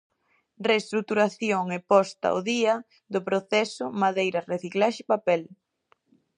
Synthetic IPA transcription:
rest̪ɾuk̚t̪uɾaθjoŋepɔst̪a̰o̰ðiɐ | ðʊpɾoθɛsʊmaðejɾɐreθiklaʃɪpapɛl

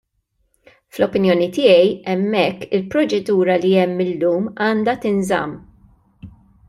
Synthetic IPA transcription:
flɔpɪnjɔːnit̪ɪjɛjɛmːɛkːɪlpɾɔt͡ʃɛd̪uːɾɐliɛmːɪlːuːmɐːnd̪ɐt̪ɪnzɐ̰mː

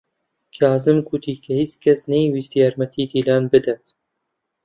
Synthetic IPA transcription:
kʰɑːzɨmkʰuːt̪ʰiːkʰɛhit͡skʰɛsnɛjwist̪ijɑːɾmɛt̪ʰiːd̪iːlɑːnbɨd̪ɛt̪

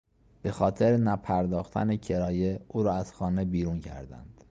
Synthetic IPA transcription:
b̥e̞xɒːt̪ʰeɾenæpʰæɾd̪ɒːxt̪ʰæ̰necʰe̞ɾɒːje̞uːɾɒːæz̥xɒːne̞biːɾuncʰæ̰ɾd̪æ̰nd̪̥

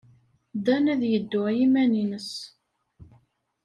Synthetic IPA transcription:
d̪ænæðjəd̪ːʊʁjimæninəs

